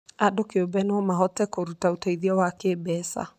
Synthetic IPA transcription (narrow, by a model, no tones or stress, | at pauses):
adokeobɛnɔmaɦɔtɛkoɾutautaiðiawakebɛsa̰